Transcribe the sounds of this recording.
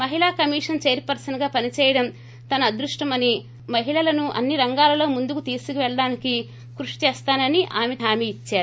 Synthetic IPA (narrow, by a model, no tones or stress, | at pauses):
mɐɦilaːkɐmiːʂɐnt͡ʃeːɾipɐɾsɐnɐɡaːpɐnit͡ʃɛːjɐɽɐm | t̪ɐnɐd̪ɾuʂʈɐmɐni | mɐɦiɭɐlɐnuʔɐ̰nːiɾɐŋɡaːlɐlo̞ːmund̪ukut̪iːsukiʋɛɭɐɽaːniki | kɾuʂi̥t͡ʃɛːst̪aːnɐniʔaːmeaːmeit͡ʃːaːɾu